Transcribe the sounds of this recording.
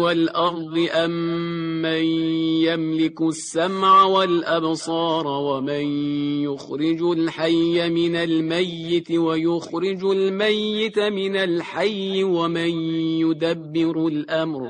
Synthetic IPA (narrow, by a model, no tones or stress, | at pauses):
walʔɑɾˤd̪ˤɨʔamː | anjamlɪkʊsːamʕawalʔabsˤɑːɾˤwamɪnjʊxɾɪd͡ʒʊlħajːamɪnalmajːɪt̪wajʊxɾɪd͡ʒʊlmajːɪt̪mɪnalħajːɪwamɪnjʊd̪abːɪɾʊlʔamɾ